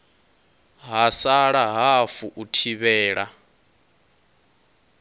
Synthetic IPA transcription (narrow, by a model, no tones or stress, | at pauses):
ɦasaɺaɦafuʔutʰiβɛːɺa